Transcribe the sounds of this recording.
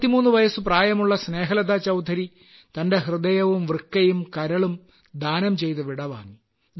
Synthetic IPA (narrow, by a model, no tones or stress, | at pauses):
t̪ːimuːnːuʋɐjɐsuɨpraːjɐmuɭːɐsne̞ːɦɐlɐd̪aːt͡ɕɐwd̪ʱɐɾi | t̪ɐnde̞hrɨd̪ɐjɐʋumʋrkːɐjumkɐɾɐɭum | d̪ʱaːnɐmt͡ɕe̞jt̪ɐʋiɽɐʋa̰ːŋi